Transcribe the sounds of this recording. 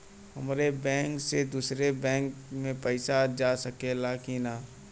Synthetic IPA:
ɦəmɾebɛ̃ːŋksed̪uːsɾebɛ̃ːŋkmẽpɛɪsad͡ʒaːsəkelaːkinaː

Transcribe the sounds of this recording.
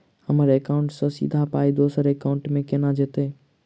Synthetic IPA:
həmːɾeekaːʊ̃ɳʈsɐ̃sḭːd̪ʱapaːid̪oːsəɾeːkaːʊ̃ɳʈmẽkenad͡ʒeːt̪eː

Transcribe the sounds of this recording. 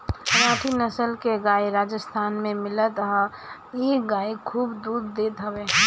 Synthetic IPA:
ɾaːʈʰinəsəlkeɡaːiɾaːd͡ʒəst̪ʰaːnmẽmɪlət̪ɦə | jeɡaːikʰuːbd̪uɾd̪eːt̪ɦəbe

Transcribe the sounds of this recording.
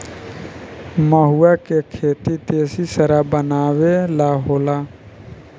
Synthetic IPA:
məɦuaːkekʰeːt̪it̪eːsisəɾaːbənaːʋelaːɦoːlaː

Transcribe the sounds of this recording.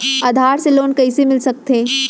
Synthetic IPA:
ɐd̪ʱaːɾseloːnkɐisemɪlsɐk̚t̪ẽː

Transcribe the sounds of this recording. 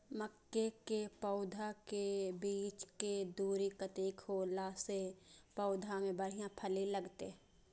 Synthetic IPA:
məkːekepəʊd̪ʱakebiːt͡ʃked̪uːɾikət̪iːkholaːsepəʊd̪ʱamẽbəɽ̤ijãpʰəliləɡt̪ḛ

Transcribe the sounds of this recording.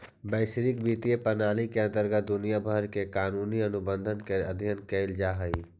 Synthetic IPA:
bəːɪʃɾɪkbiːt̪iepənaːlikeə̃nt̪əɾɡət̪̚d̪ʊnijabʱəɾkekaːnuːniɐnʊbə̃nd̪ʱənkeəd̪ʱjənkeɪld͡ʒaːɦɐiː

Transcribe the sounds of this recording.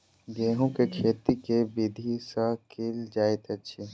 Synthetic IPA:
ɡeːɦõkekʰeːt̪ikebɪd̪ʱisakeːld͡ʒaːet̪ɐtːʃʰi

